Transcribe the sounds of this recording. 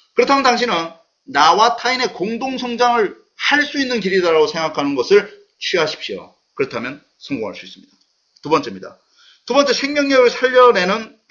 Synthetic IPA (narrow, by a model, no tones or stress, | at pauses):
kɯɾʌtʰamjnt̪aŋɕʰinɯnː | awatʰaine̞koŋdoŋsʰʌŋd͡ʑaŋɯɭ | haɭs͈uinːɯnkiɾidaɾaɡosʰe̞ŋɡakʰanɯnɡʌsʰɯɭ | t͡ɕʰɥiɦaɕʰi̥p̚ɕ͈io̰ | kɯɾʌtʰamjʌn | sʰʌŋɡo̰ŋaɭs͈uis͈ɯ̥mɲid̥a | tubʌnt͡ɕ͈e̞mɲida̰ | tubʌnt͡ɕ͈e̞sʰeŋmjʌŋjʌɡɯɭsʰaʎːʌne̞nɯn